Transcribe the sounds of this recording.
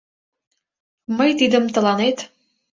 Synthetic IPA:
məjt̪id̪ə̆mt̪ə̆lɑnet̪

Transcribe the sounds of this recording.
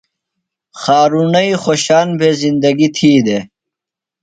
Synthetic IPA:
xaːɾunɐixoːɕaːnbʱezind̪ɐɡit̪ʰiːd̪e

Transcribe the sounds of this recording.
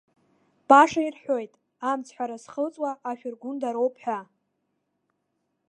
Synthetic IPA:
b̥aʂairħʷᶣo̞jtʼ | amt͡sʰħʷᶣaɾasχət͡sʼwaʔːʃᶣʊrɡʷʊndaɾo̞wpʼħʷᶣa

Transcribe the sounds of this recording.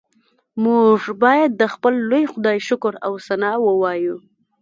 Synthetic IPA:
muʐbɑjad̪̚ːəxpəlːojxʊd̪ɑjʃʊkʊɾawsanɑwəwɑju

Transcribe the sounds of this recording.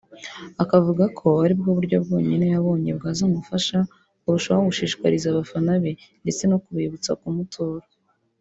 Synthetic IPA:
akavuɡakʰo̞aɾib̚ɡoβuɾɟobɡo̞ːɲinejaβo̞ːɲe̞̰bɡaːzamufaʃa | uβuʃoβɡuʃiːʃkwaɾizaβafanaβe̞nde̞t͡se̞no̞kuβiβut͡sa̰kumutʰoːɾo

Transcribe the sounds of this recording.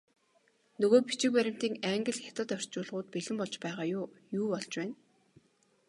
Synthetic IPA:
nɵɣoːpit͡ɕɪ̆k̚pæɾʲɪ̆m̥t̪iːŋæŋɡɘ̆ɮxʲat̪ə̆t̪œr̥t͡ɕʊːɮʁʊːt̪̚piɮɘ̆mpɔɮt͡ɕpæːʁaːjjuːpɔɮt͡ɕpæːn

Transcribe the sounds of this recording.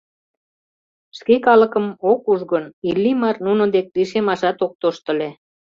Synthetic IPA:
ʃkekɑlə̆kəmokuʒɣənilːimɑrnunŏd̪ek̚liʃemɑʃɑt̪ok̚t̪oʃt̪ə̆le

